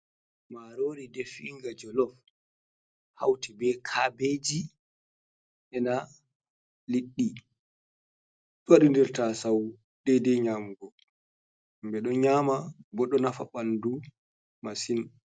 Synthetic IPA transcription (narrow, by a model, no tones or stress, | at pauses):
maɾoːɾidɛfiŋɡad͡ʒɔlɔf | ha̰wtɛbɛkʰabeːd͡ʒi | ʔɛna | liɗːi | ɗuwaɗindɛɾtasaw | dɛdɛɲamɡɔ | mbɛɗɔɲaːmabɔɗɔnafa̰ɓandu | masin